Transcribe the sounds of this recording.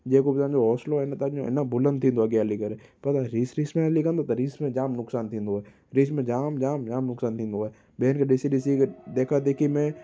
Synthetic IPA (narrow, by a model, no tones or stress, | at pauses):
d͡ʒeːkobtãnd͡ʒoɦɔːsloɦɛnat̪ɐõɪ̰nabʊlə̃nd̪t̪ʰĩːnd̪oɦɛɡjalikəɾepɐt̪aɾiːsɾiːsmẽlikɐ̃nd̪ot̪ɐɾiːsmẽd͡ʒaːmnʊksaːnt̪ʰĩːnd̪oɛ | ɾiːsmẽd͡ʒaːmd͡ʒaːmd͡ʒaːmnʊksaːnt̪ʰĩːnd̪oe | beːnkeɗɪsiɗɪs̬ikd̪eːkʰad̪eːkʰimẽ